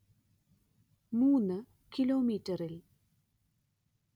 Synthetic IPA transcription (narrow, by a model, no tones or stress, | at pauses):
muːnːɨ | kiloːmiːtːɐril